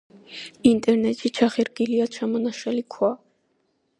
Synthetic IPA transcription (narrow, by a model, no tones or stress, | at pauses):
int̪ʼɛɾnɛt̪ʼʃʰit͡ʃʰaχiɾɡiliaʃʰamɔnaʃɛlikʰwa